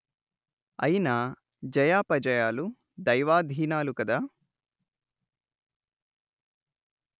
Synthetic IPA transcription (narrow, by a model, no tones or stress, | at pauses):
ɐ̰jinɐ | d͡ʒɐjaːpɐd͡ʒɐjaːlu | d̪ɐjʋaːd̪ʱiːnaːlukɐd̪aː